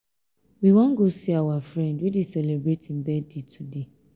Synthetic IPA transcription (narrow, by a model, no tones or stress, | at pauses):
wiwɔ̃nɡosiawafɹɛ̃ndwidesɛlɛbɹetĩnbɛdetʰude